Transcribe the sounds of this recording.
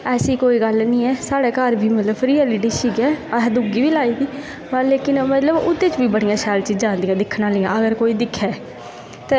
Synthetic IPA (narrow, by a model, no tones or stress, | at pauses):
ɛːsiːkoːiːɡəlnĩːɛːsaːɽɛːkəɾbʱiːmət̪ləbɾɪːɛːliʈiːsiːɡɛːd̪uːɡiːʋiːlaːiːd̪iː | pəleːkɪnmət̪ləbʊt̪ːeːt͡ʃbiːbəɽ̃ijãːʃɛːlt͡ʃiːd͡ʒãːnd̪iːãːd̪ɪkʰnãːlɪːjãːəɡəɾkoːiːd̪ɪkʰːɛː | t̪eː